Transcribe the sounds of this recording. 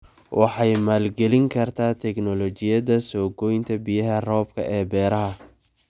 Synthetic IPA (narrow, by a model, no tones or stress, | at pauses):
wɑħɑjmaːlɡɛlɪŋkʰɐrt̪ʰaːt̪ʰɛknɔlɔt͡ʃɪjɐðɐsɔːɡɔjnt̪ʰɐbɪjɐɦɐrɔːb̚kʰɐ̰ʔɛːbɛːɾɐɦɐ